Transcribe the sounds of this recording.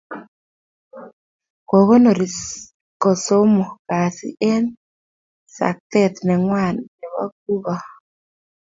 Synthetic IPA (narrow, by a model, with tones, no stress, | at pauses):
ko˨ɣo˦no˨ɾi˨ | ko˨so˦mo˨ka˨sḭ˦ʔe˦n | sa̰˨k̚t̪e˦t̪ne˨ŋwa˦˨nne˨βa̰˦k̚u˦βa˦